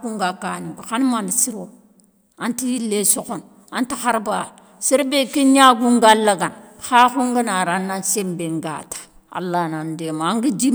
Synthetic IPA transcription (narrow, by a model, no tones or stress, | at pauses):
ɡuŋɡakaniɡuxanmanisiɾo | antijilːesukun | antixaɾba | siɾbekiɲaɡuŋɡalːaɡanxakuŋɡanaɾanːansembeŋɡa̰tḁ | a̰lːanandemaŋɡidi